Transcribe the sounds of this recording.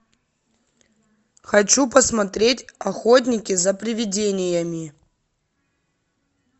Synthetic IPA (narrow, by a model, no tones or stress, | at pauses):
xɐt͡ɕupɐsmɐt̪ɾʲetʲɐxot̬ʲnʲɪkʲɪzɐpɾʲɪvʲɪdʲenʲɪjəmʲɪ